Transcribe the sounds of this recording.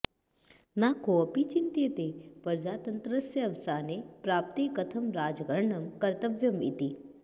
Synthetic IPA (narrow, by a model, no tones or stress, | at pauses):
naːkoɐpit͡ʃint̪et̪epɐɾd͡ʒaːt̪ənt̪ɾəsjəɐʋsaːnepɾaːp̚t̪ikɐt̪ʰɐmɾaːd͡ʒɡɐɾɳɐmkɐɾt̪əʋjɐmḭt̪i